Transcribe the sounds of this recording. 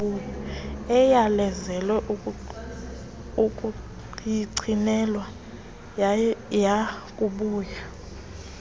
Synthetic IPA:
ulɔɛjalɛzɛlwɛʔu | uk̬ʼu | jiǀʰinɛlwa | jakʼuɓuːja

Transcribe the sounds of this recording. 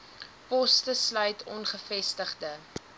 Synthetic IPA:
pɔstəslœɥtʰɔnχəfɛstəχdə

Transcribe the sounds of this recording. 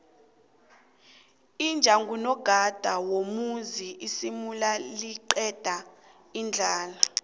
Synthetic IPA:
ind͡ʒʱaŋɡʱunɔɡ̥ʱad̥ʱawomuziisimulaliǃɛd̥ʱa | ind͡ɮʱaːla

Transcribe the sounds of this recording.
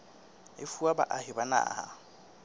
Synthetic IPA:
ɪ̰fuaba̰ʔahɪbana̰ːha̰

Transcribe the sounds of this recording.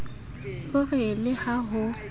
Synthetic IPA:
hʊrɪlɪhaɦʊ

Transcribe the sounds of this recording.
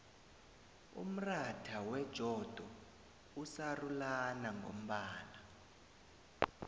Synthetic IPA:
ṵm̩ratʰawɛd̥ʒ̥ʱɔd̥ʱɔ | usarulanaŋɡo̰m̩ɓaːna

